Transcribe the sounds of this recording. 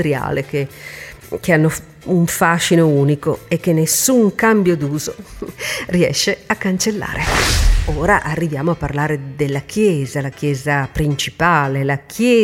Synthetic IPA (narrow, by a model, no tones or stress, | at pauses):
ɾja̰ːlek̟e | k̟eanːo | uɱfaːʃinouːnikoekːenːesːuŋkambjod̪uːzo | riɛ̰ʃːeakːant͡ʃelːa̰ːɾʔeoːɾaʔarːivjaːmoapːarlaːɾed̪elːak̟ʰjɛːzalak̟jɛːzapɾint͡ʃipaːlelakʰjɛː